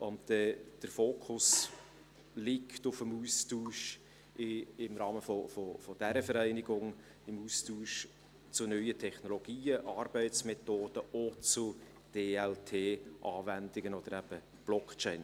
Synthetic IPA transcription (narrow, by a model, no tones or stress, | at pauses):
ʔʊntdɛd̥əɾfoːkʰʊs | lɪktʊfəmuːstuːʃ | ɪɪmɾɑːməfofofod̥æɾəfəɾæɪnɪɡʊŋ | ɪmuːstuːʃ | t͡sʊnœʏətʰɛχnoloɡ̥iːəʔɑːɾb̥ɛɪtsmɛt̪oːd̥əot͡sʊ | d̥eːɛltʰeːʔɑːvændɪɡənɔd̥̪əɾæb̥ə | b̥lɔkt͡ʃɛɪn